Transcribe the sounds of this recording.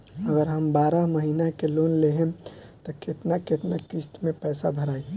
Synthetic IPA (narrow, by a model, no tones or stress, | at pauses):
əɡəɾɦəmbaːɾəɦməɦinakelonleɦẽt̪ɔket̪naket̪nakist̪mẽpɛːsabʱəɾaːi